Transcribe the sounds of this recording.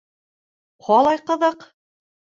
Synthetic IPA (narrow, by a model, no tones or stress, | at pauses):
qʰɒlˠɑjqɤ̆ðɤq